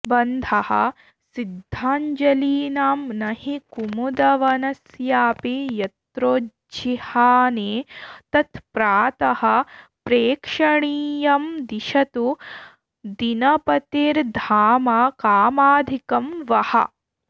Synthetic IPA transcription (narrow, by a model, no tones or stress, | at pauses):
bɐnd̪ʱɐhɐ̰ | sid̪ʱːaːɲd͡ʒɐliːnaːmnɐhikumud̪ɐʋɐnɐsjaːpijɐt̪ɾoː | d͡ʒihaːneːt̪ɐt̪pɾaːt̪ɐhɐ̆pɾeːkʂɐɳiːjɐmd̪iʃɐt̪u | d̪inɐpɐt̪iːɾd̪ʱaːmaːkaːmaːd̪ʱikɐmʋɐhɐ̰